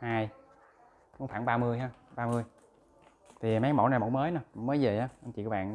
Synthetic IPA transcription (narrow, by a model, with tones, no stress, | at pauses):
haː˧j | kʊ˧˥ŋ͡mfaː˧˩˨nɓaː˧mɨ˧əjɦaː˧ɓaː˧mɨ˧əj | t̪ʰi˨˩˨maː˨˦˥ŋmo̰˧˩n˨˩m̰˨˧˨ŋ͡mməː˨˦jna˨˦˨ŋ͡mməː˨˦jze˨˩haː˨˧˦ʔə˧mt͡ɕḭ˧˨kɔ˨˦ɓa̰ː˧˨n